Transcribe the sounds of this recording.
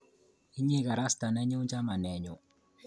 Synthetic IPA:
i˦ɲe˦ɣa˨ɾa˦sta˨nɛ˦ɲe˦u˦ɲd͡ʒa˦ma˨nɛ˨ɲɔ˨

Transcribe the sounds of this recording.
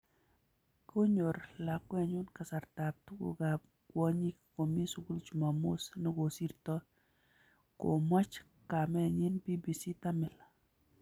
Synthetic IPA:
ko˦ɲo˨ɾla˨kwɛ˦˨ɲʊ˦nka˨sa˨ɾt̪a˨p̚t̪u˦ɡo̰˨ɡa˨p̚ | kwɔ˦ɲi˦kko˨mi˦su˨ɡu˦lt͡ʃu˨ma˨mo˦snɛ˦ɡo˨si˦rtɔ˦ | ko̰˨ma˦t͡ʃ | ka˨mɛ˦ɲɪ˦nbi˦bi˨si˦t̪a˦mɪ˨la˨

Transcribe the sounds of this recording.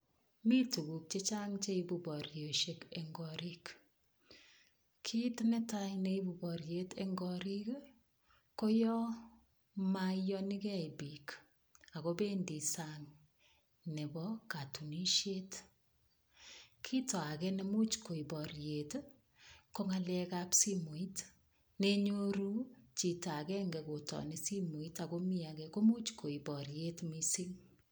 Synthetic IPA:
mi˦tu˨ɡu˨k̚t͡ʃe˦t͡ʃa˦ŋt͡ʃe˦ibu˨bɔ˨ɾjo˨ʃe˦keŋɡɔ˨ɾi˦k | kʰi˦tnɛ˦tajne˨i˦bu˨bɔ˨ɾje˦te˦ŋɡɔ˨ɾi˦k | ko˦jɔ˦ | majɔ˦nɪ˦kɛ˦ibi˨k | a˨ko˦be˦ndi˨saŋ | ne˨bɔ˦ka˨tu˨ni˦ʃje˦t | kʰi˦tɔ˨a˨kɛ˦ne˦mu˦t͡ʃko˨i˨bɔ˨ɾje˨t | ko˦ŋa˨lɛka˦psi˦mo˨i˦t | ne˦ɲo˦ɾu˦t͡ʃi˨ta˨kɛ˦ŋɡɛ˨ko˨tɔ̰˨ni˦si˦mo˨i˦ta˨ko˦mi˦a˨kɛ˦ko˦mu˦t͡ʃko˨i˨bɔ˨ɾje˦tmisi˦ŋ

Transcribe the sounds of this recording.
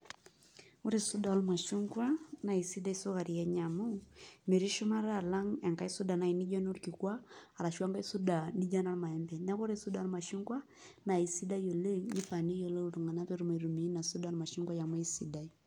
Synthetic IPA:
u˦ɾe˦˨su˦da˨˦lma˨ʃu˦ŋɡwa˦na˨i˨si˦da˦i˦so˦ka˨ɾi˨ɛ˦ɲa˨mo˦me˨ɾi˦ʃɔ˦ma˦ɾa˦˨la˦ŋa˨ŋɡa˦i˦su˦da˨na˨i˨ni˦d͡ʒɔ˦no˦ɾki˨kwaː˦˨ɾa˨ʃwa˦ŋɡa˦i˦su˦da˨ni˦d͡ʒa˦na˦lma˨ɛ˦mbɛ˨na˦ko˦ɾe˦su˦da˨˦lma˨ʃu˦ŋɡwa˦ | na˨i˨si˦da˦i˦jo˨le˦ɲi˦fa˨ni˦jo˨le˦u˨ɾu˨ŋa˨na˦pe˨ɾu˦ma˨i˨ɾu˨mi˨˦na˨su˦da˦lma˨ʃu˦ŋɡwa˦ja˨mɔ˦i˦si˨da˦i˦

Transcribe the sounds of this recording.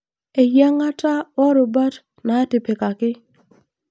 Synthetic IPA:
e˨ja˦ŋa˦ta˦wɔ˦ɾo˨ba˦t | na˨˦tɪ˨pe˨ka˨kɪ˦

